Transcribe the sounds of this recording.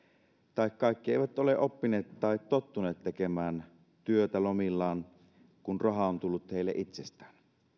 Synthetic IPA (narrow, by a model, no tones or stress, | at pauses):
t̪ɑˑikkɑˑikːieˑiʋæt̪ʔoleʔopːineːt̪t̪ɑˑit̪tot̪ːuneːt̪tekemæːn | t̪yøt̪ælomilːɑːn | kunrɑɦɑont̪ulːut̪heˑilːḛʔit̪sest̪æːn